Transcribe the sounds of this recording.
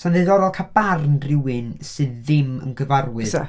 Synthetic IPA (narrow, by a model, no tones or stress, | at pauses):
saneðɔɾɔlˠkʰab̥arnrɪwɨnsɨðːɪmə̰nɡəvarwɨðsa